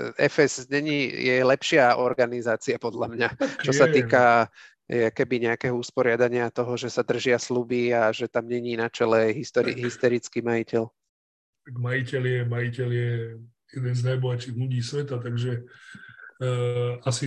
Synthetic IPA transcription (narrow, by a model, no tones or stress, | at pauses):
ɛ̰fɛzɲɛɲijɛlɛpʃɪaɔɾɡanizaːt͡siapɔd̪ʎamɲat͡ʃɔsat̪iːka | jɛkɛbiɲɛakɛɦɔuspɔɾɪad̪aɲɪat̪ɔɦɔʒɛsad̪r̩ʒɪaslubiaʒɛt̪amɲɛɲiːnat͡ʃɛlɛajɦist̪ɔɾiɦist̪ɛɾit͡skiːmajicɛl | t̪aɡmajicɛljɛmajicɛljɛ | jɛd̪ɛnznajbɔɦat͡ʃiːɣluɟiːsʋɛt̪at̪aɡʒɛ | asi